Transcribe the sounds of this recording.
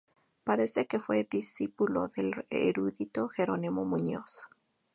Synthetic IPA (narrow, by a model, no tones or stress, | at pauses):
paɾe̞se̞ke̞fwe̞ðisipulo̞̰ðelḛɾuðit̪o̞xeɾonimomuɲos